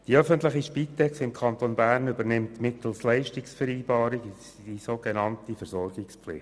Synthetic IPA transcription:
d̥iœfəntləχiʃpit̪ɛksɪmkʰɑntonbæːrnʏbəɾnɪmtmɪt̪l̩slɛɪʃtɪksfəɾiːbɑːɾiɡ | d̥isoɡenɑntifəɾzɔrɡɪkspflɪ̰χt

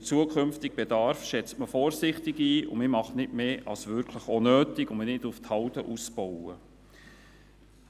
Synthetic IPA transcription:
ɪt͡suəkʰχʏmft̪ɪɡ̚b̥ɛdɑrfʃɛt͡stməfɔːrsɪχt̪ɪɡiːʊ̰mɪmɑχnɪtmeːʔɑ̰lsʋʏɾkʰləχɔnøːtɪkʊmənɪtʊft̪hɑwtəʔusbɔwə

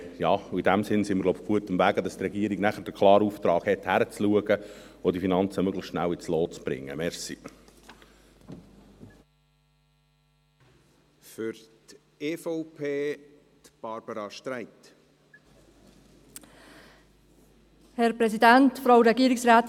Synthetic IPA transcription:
jɑːid̥æmsɪnsɪməɾɡloʊbɡ̥uətəmvæːɡədɑst̪rɛɡiəɾiɡnæχəɾd̥əkʰlˠɑːɾuft̪ɾɑːɡhɛthæɾət͡sluəɡəodifinɑnt͡səmøɡləχʃnæwɪt͡sloːt͡sb̥ɾɪ̰ŋːə̰mɛɾsḭ | fʏɾt̪ | efɔʊpʰeːt̪b̥ɑɾb̥əɾɑʃtɾæɪt̪ | hɛɾpɾɛsidæntfɾaʊɾɛɡiːɾɪksɾaːt

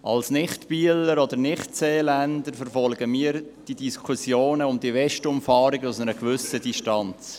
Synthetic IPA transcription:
ʔɑlsnɪχtpiːələɾɔd̪əɾnɪχtseːlændəɾfəɾfɔlɡ̥əmiːəɾ | d̥idiskʰusjoːnəʊmdiəvɛʃtʊmfɑːɾɪɡəʊsnəɾəkvʏsədiʃtɑnt͡s

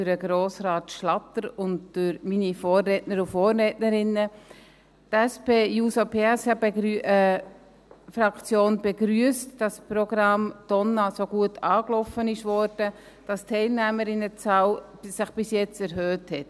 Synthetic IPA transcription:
yɾəɡ̥ɾoːsɾɑːtʃlɑtəɾʊndd̥ʉɾminifoːrːɛtnəɾufoːɾːɛtnəɾɪnːə | tæspeːjuːsopʰeːæsɑb | fɾɑkt͡sjoːnbɛɡɾyəstd̥ɑspɾɔɡ̥ɾɑmd̥ɔnːɑsoɡ̥uətʰɑːklɔfənɪʃʋɔːɾd̥ə | d̥ɑstʰːɛɪlnæməɾɪnːət͡sɑːwsɪχb̥ɪsjɛt͡sɛɾɦøːthɛt

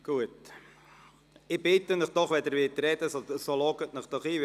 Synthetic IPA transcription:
ɡ̥uət | ɪbɪtənɪχd̥ɔχʋɛd̪əɾvʋɪtrɛdəsosolɔɡətnɪχd̥ɔχiː

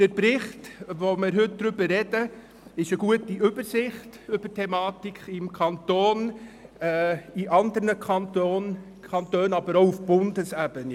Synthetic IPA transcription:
d̥əɾpɾɪχtʋomɪɾɦʏt̚d̥̪ɾʏbəɾɛdə | ɪʃəɡ̥uətiʔʏbəɾsɪχtʏb̥ətʰɛmɑːtikʰɪmkʰɑntoːnɛːiʔɑnd̪əɾnəkɑnton | kʰɑntøːnɑbəɾoʊufb̥ʊndəsæbəni

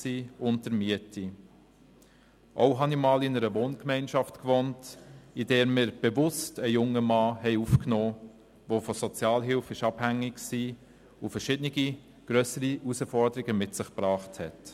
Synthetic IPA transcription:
siːʊntəɾmiətʰi | ʔoʊɦɑnimɑːlɪnəɾəʋoːnkmɛɪnʃɑftkvontidɛːɾmɪːɾb̥evʊstəjʊŋːəmɑːhɛɪufknoː | vofɔsɔt͡sjɑːlɦɪlfɪʃɑb̥hæŋːɪkksiː | ʊfəɾʃɪdnɪɡi | ɡ̥ɾœsəɾiusəfɔɾdəɾiɡəmɪtsɪχpɾɑːχthɛt

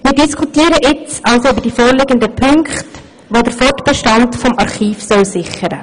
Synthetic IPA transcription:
mɪːɾdiskʰutiːɾəʔɪt͡sɑlsoybəd̥ifoːɾlɪɡəndəpʰʏŋkχt | ʋodəɾfɔtb̥əʃtɑntfɔmɑɾχiːfsœlsɪχəɾə̰

